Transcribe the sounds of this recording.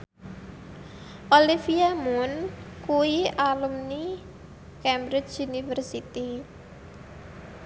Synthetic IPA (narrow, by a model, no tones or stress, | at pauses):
ʔolifiamunkuialumni | kɛmbɾɪt͡ʃunifərsit̪i